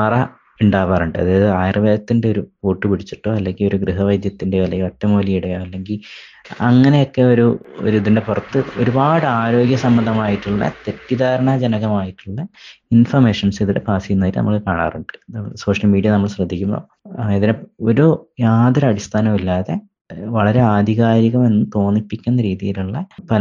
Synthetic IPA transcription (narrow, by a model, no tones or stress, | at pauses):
pɐrɐ | uɳɖaːʋaːruɳɖɨɐ̰ðɨaːjrɐʋɐjɐt̪ːinde̞oɾupoːʈːɨpiɽit͡ɕːi̥ʈːoːɐlːe̞ŋɡilo̞ɾuɡrɨɦɐʋɐjd̪jɐt̪ːindeʋɐlɐjotːɐmoːliiɽɐjoːɐlːe̞ŋɡil | ɐŋːɐne̞jo̞kːe̞o̞ɾuo̰ɾuiðinde̞purɐt̪ːɨo̞̰ɾubaːɽɨaːɾo̞ːɡjɐsɐmbɐnd̪ʱɐmaːjiʈːuɭːɐ̰t̪e̞tːid̪aːɾɐɳɐd͡ʑenɐɣɐmaːjiʈːuɭːɐinfɐrme̞ːʂɐnsiðiɽepaːsikːunːɐðiːiʈːɨnɐ̰mːɐɭkaːɳa̰ːruɳɖɨ̥so̞ːʂɐlmiːɖijɐnɐmːɐɭɕrɐd̪ʱːikʲːumbo̞̰ː | iðineoɾujaːd̪ɐɾɐɽist̪ʰaːnɐmilːaːðe̞ | ʋɐɭɐɾe̞aːd̪ʱiɣaːɾiɣɐme̞nːɨt̪o̞ːnipːikʲːunːɐɾiːðijiluɭːɐpɐl